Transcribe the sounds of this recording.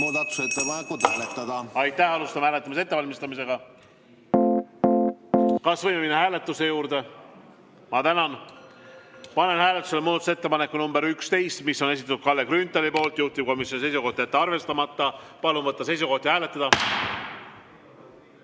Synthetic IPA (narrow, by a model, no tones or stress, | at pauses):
muːd̪ɑt̪ːu̥set̪ːepɑnekːut̪hæːlet̪ːˑɑd̪ɑɑjt̪ːæhɑlust̪ɑmhæːlet̪ːˑɑmis̬ee̞t̪ːvɑlmist̪ɑmise̞ɡ̥ɑ | kɑsvɤ̞jmeminːɑhæːle̞t̪ːˑuse̞juːɾd̪e̞ | mɑt̪ænɑn | pɑne̞nhæːlet̪ːˑu̥seːemuːd̪ɑt̪use̞t̪ːe̞pɑne̞kːˑunumbeɾykst̪e̞jst̪misːo̞ne̞s̬it̪ɑt̪ud̪̥̚kɑlːekrynt̪ːˑɑlipo̞ːlt̪juht̪ip̚ko̞misʲjonisejs̬uko̞ht̪iet̪ːeɑrve̞st̪ɑmɑt̪ˑːɑpɑlunvɤt̪ːˑɑse̞js̬uko̞ht̪iɑhæːle̞t̪ːˑɑd̪ɑ